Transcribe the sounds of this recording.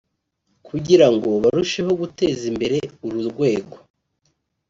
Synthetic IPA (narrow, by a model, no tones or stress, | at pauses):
kʰuɟiɾaŋɡo̞βaɾuʃeɦo̞ɡute̞ːzimbe̞ɾe̞uɾuɾɡwe̞ːɡo̞